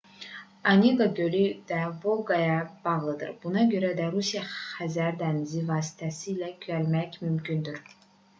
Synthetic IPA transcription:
ɑnʲeɡad̪øɾyd̪ævolˠɡɑjɑbɑʁlˠɯd̪ɯ̰ɾbunɑɟø̞ɾæd̪æɾusijɑχæzæɾd̪ænizivɑːsi̥t̪ʰæsiːlækʰyælmæçmymcʰynd̪yɾ

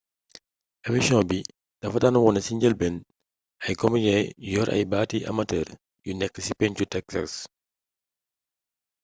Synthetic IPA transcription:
ʔɐmisɔ̃bi | d̥ɐfɐdɐnɐwɔnɐsiɲɟəlbɛn | ɐjkɔmijɛjjɔːɾʔɐ̰jbaːtiʔɐ̰mɐtɛːr | junɛkːəsipɛncutɛksa̰s

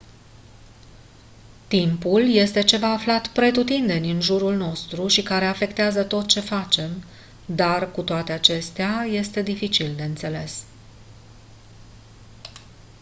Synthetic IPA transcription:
t̪impulje̞st̪e̞t͡ʃe̞vaːflat̪pɾe̞t̪ut̪ind̪e̞nʲɨnʒuɾulno̞st̪ɾuʃikaɾe̞afe̞kt̪eazət̪o̞t̪̚t͡ʃe̞fat͡ʃe̞m | d̪arkut̪oat̪e̞at͡ʃe̞st̪eaje̞st̪e̞d̪ifit͡ʃild̪e̞ɨnt̪se̞le̞s

